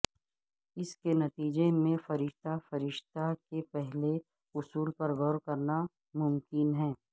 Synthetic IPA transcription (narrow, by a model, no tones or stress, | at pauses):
ɪskenɐt̪iːd͡ʒemẽfɐɾɪʃt̪afɐɾɪʃt̪akepɛɦle | ʊsuːlpɐɾɣɔːɾkɐɾna | mʊmkɪnɦɛ̃ː